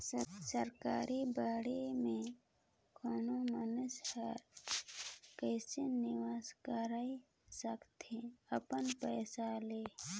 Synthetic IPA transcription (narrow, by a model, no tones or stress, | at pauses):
səsəɾkaːɾibaːɽemẽ | kʰɔːnomənəshaɾ | kəːsenɪʋaːskəɾai | səkt̪eəpənpɛːsaleː